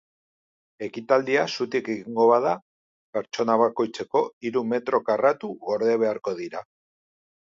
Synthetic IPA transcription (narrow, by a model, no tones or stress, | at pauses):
e̞kit̪ald̪iasut̪ikeɣiŋɡo̞βaða | pe̞ɾt͡ʃo̞naβ̞ako̞jt͡se̞ko̞iɾume̞t̪ɾo̞karat̪uɣo̞ɾðeβ̞e̞aɾko̞ðiɾa